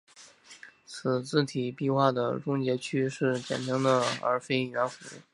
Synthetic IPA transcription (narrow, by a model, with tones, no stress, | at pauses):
t͡s̩ʰ˨˩t͡sɹ̩˥˩t̪ʰi˨˩pi˥˧xwa˥˩d̪ə˩ʈ͡ʂʊ˥ŋt͡ɕjɛ˧˥t͡ɕʰy˥ʂɻ̩˥˩t͡ɕjɛ̰˨˩nt̪ʰi˧˥ŋd̪ə˧ə̰˧˥fe˥ɪi˨˩na˧˥nfṵ˧˥˩